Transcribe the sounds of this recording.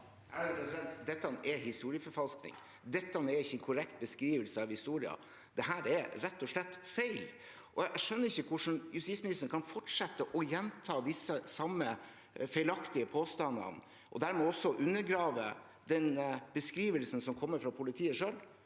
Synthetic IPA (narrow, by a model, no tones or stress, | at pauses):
æd̪pɾɛsɪd̪ɛnt̪d̪ɛt̪ːɑnɛhɪst̪uːɾɪəfɔɾfɑlsknɪ̰ŋ | d̪ɛt̪ːɑnɛɾɪçːəɛnkʰʊɾɛkt̪̚bəskɾiːʋəlsəɑʋhɪst̪uːɾɪɑ̰ | d̪̥ɛɦæːɾɛɾɛt̪ːɔʂlɛt̪ːfeɪl | ʔɔæʔæʂœnːəɾɪçːəkʰʊʂɳ̩jʉst̪itsmɪnɪst̪əɳkʰɑnfɔʈʂɛt̪ːəʔɔjɛnt̪ʰɑːd̪ɪsːəsɑmːə | fæɪlɑkt̪ɪəpʰoːst̪ɑnd̪ɑ̰n | ʔɔ̰d̪æɾmɛːɔsːɔʔʉnːəɾɡɾɑːʋə | d̪ɛnbəskɾiːʋəlsən̩sɔmkʰɔmːəɾfɾɑpʰʊlɪt̪ʰiːəʂœːl